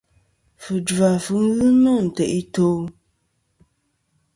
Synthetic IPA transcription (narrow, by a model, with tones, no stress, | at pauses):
fɨ˨d͡ʒa˨fɨ˨˦ŋ˦ɣɨ˦nu˦˨n̩˨te˨ʔi˦to˦